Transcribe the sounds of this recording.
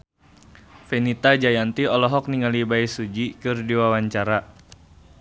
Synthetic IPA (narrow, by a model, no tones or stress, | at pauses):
fɛnit̪ad͡ʒajant̪iɔlɔɦɔk̚niŋalibaisud͡ʒikɨrdiwawaɲt͡ʃaɾa